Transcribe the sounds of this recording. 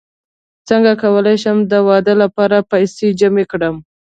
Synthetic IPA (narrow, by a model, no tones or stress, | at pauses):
t͡səŋɡakawəlajʃəmd̪əwɑd̪əlapɑɾapajsed͡ʒamekɽəm